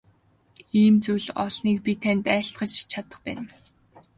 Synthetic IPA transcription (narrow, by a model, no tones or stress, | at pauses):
iːmt͡sujɮɔ̰ɮniːk̚pʲit̪ʰænʲt̪æːɬt̪ɢə̆t͡ɕt͡ɕʰat̪ə̆χpæ̰ːn